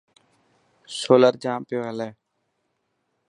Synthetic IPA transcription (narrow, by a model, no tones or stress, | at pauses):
soːləɾd͡ʒãːmpeːɦəlɛː